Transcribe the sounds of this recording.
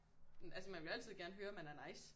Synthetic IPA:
ælsəmænʋe̝læl̰t͡sʰið̞̰ˠɡ̥æɐnəɦøːɐmænæɐnɑ̈ɪ̰s

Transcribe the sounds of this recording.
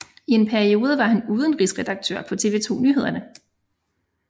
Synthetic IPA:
ie̝npʰæɐio̝ːð̞ˠəʋɑ̈hænuːð̞ˠən̩ʁisʁɛd̥ɑ̈ɡ̥̚t͡sʰø̰ɐ̰pʰɒ̽t͡sʰe̝ʋe̝ːt͡sʰo̝̰ːnyɦe̝ð̞̰ˠɐnə

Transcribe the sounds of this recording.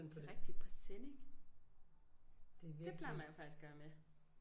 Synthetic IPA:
nʰɒdʁɛɡ̥̚d̥i̥pʰɒ̥seneɡ̥ | d̥eʋi̥eb̥læ̰mæjofɑ̈ɡ̥isɡ̥ɶɐme

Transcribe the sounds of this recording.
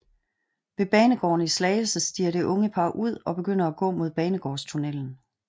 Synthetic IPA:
ʋe̝b̥ɛːnəɡ̥ɒ̰ːnislɛːlsəsd̥ḭːɐɾe̝ʔɔ̽ŋəpʰɑ̈ːʔuð̞̰ˠɒ̽b̥e̝ɡ̥øn̰ɐæɡ̥ɔ̰̽ːmo̝ð̞ˠb̥ɛːnəɡ̥ɒ̰ːst͡sʰunel̰n̩

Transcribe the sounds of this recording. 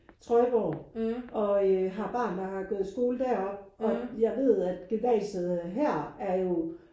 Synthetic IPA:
t͡sʰʁɒ̽ɪb̥ɒ̰ːʔɒ̽øɦɑ̈b̥ɑ̈ːnd̥ɑ̈ɦɑ̈ɡ̥ɔːð̩ˠsɡ̥o̝ːləd̥æɐ̰ɒ̽b̥̚ʔɒ̽jɑ̈ɪʋe̝ð̰ˠæd̥ɡ̥eʋɛ̰ːsəð̩ˠɦæɐ̰æɐjo̝

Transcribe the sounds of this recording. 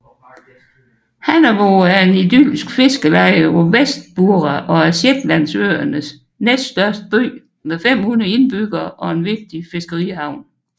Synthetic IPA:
hænɐʋoæɐe̝nidy̰lsɡ̥fe̝sɡ̥əlɑ̈ɪəʋɒʋesd̥̚b̥uɐʁɑʔɒ̽æɐɕed̥læn̰sø̰ːɐnəs | nesd̥sd̥ɶɐsd̥əb̥ø̰ː | meðˠfem̰hun̩ˠe̝nb̥yɡ̥ɐʔɒ̽e̝nʋe̝ɡ̥̚d̥ife̝sɡ̥ɐʁḭhɑ̈ʊ̰n

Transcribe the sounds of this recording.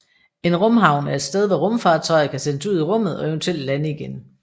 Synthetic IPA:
e̝nʁɔ̽mɦɑ̈ʊnæɐe̝d̥sd̥eð̞ˠʋɒʁɔ̽mfɑ̈ːt͡sʰɒ̽ɪð̩ˠkʰæsenəsuð̞̰ˠiʁɔ̽m̰ð̩ˠɒ̽eʊnt͡sʰuel̰d̥lænəiɡ̥en

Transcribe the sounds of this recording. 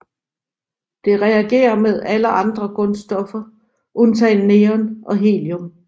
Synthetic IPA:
d̥e̝ʁɛæɡ̥e̝̰ːɐmeð̞ˠæləʔɑ̈nd̥ʁɐɡ̥ɔ̽nsd̥ɒ̽fɐ | ʔɔnt͡sʰɛnneːɒnʔɒ̽ɦe̝̰ːljɔm

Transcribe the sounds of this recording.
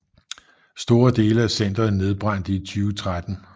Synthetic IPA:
sd̥o̝ːɐd̥e̝ːləæsen̰d̥ʁɐð̩ˠne̝ð̞ˠb̥ʁɑ̈n̰d̥əit͡sʰyːʊt͡sʰʁad̥n̩

